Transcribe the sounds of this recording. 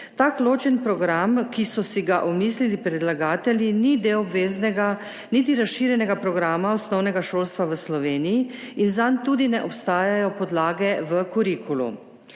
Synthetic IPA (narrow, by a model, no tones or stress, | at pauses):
t̪aːkloːt͡ʃɛnpɾɔɡɾamkisɔsiɡaʔɔmiːslilipɾɛd̪laɡaːt̪ɛlʲjinid̪ewɔbʋeːznɛɡa | nit̪̬iɾasʃiːɾjɛnɛɡapɾɔɡɾaːmaɔsnɔwnɛɡaʃoːlst̪ʋaʋəslɔʋeːnijiinzant̪uːd̪inɛʔɔpst̪aːjajɔpɔd̪laːɡɛʋəkuɾikulṵ